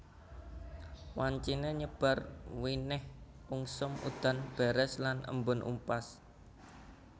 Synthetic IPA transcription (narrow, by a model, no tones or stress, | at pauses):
waɲt͡ʃineɲəb̥a̤rwinɪh | uŋsʊmṵd̪̥a̤nb̥ɛɾɛslanə̰mbʊnʔṵmpas